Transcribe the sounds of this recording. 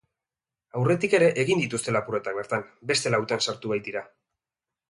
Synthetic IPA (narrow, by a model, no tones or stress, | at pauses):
awre̞t̪ike̞ɾe̞ʔeɣind̪it̪ust̪e̞lapure̞t̪ak̚beɾt̪ambe̞st̪e̞lawt̪ansaɾt̪uβajt̪iɾa